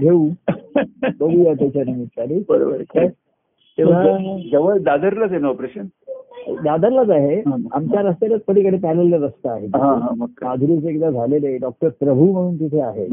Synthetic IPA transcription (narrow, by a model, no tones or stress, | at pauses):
ɡʱeuː | kəʋuːat̪jat͡ɕanəmit̪kaɾibəɾo̰bə̰ɾe | t̪iʋ̤ad͡zəʋəd̪ad̪əɾlad͡zenəɔpɾeɕən | d̪ad̪əɾlad͡zaɦea̰mt͡ɕjaɾəst̪elat̪̚pəɽiːkəɽ̤epɛleljaɾəst̪aːɦet̪ɦãɦãməkːaad͡zʱulut͡sekit̪ad͡zʱaleleɖɔk̚ʈəɾpɾəbʱum̤əɽ̃uːnt̪̬it̪ʰeaɦḛ